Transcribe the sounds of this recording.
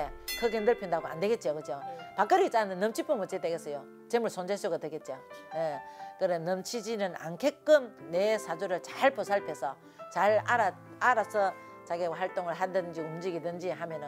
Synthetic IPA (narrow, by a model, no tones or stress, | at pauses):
ekʰɯɡenɯɭpʰjindaɡoa̰nde̞ɡe̞t̚t͡ɕiokɯd͡ʑopak͈ɯɾit͡ɕ͈anɯnːɯmt͡ɕʰipʰɯmɯt͡ɕ͈et͈eɡes͈ʌjo | t͡ɕemuɭsʰond͡ʑesʰuɡadweɡet̚t͡ɕiojekɯɾenʌmt͡ɕʰid͡ʑinɯna̰nkʰek͈ɯmnesʰadoɾɯɭt͡ɕaɭpʰos̬ʰaɭpʰe̞sʰʌ | t͡ɕaɭaɾa | aɾasʰʌ | t͡ɕaɡeɡwaɦaɭt͈oŋɯɭɦadɯnd͡ʑiumd͡ʑiɡidɯnd͡ʑiɦamjʌnɯ